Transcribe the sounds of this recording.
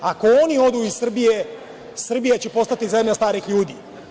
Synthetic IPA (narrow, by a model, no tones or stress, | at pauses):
ako̞o̞nio̞d̪uissr̩bije̞ | sr̩bijet͡ɕe̞po̞st̪at̪ize̞mʎast̪aːɾixʎuːd̪iː